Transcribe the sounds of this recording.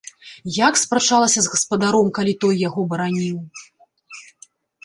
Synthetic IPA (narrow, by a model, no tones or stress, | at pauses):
jakspɾat͡ʂalˠɐsʲɐzɣɐspɐd̪aɾɔmkalʲit̪ɔjːaɣɔbɐɾanʲiw